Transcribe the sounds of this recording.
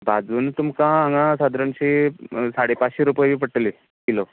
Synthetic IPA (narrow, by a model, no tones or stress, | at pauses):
bʱad͡zunt̪umkãːŋãsad̪ɾənɕiːsaɽepat͡sɕiɾupəjʋiːpəʈli | kilo